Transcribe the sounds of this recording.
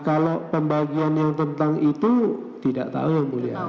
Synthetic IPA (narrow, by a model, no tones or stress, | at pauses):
kalopəmbaɡianjaŋt̪ənt̪aŋit̪u | t̪idaʔt̪a̰ujaŋmulia̰